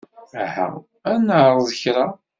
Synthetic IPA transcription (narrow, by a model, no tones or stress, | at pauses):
ha̰ | ænəʕɾˤəðˤəçɾa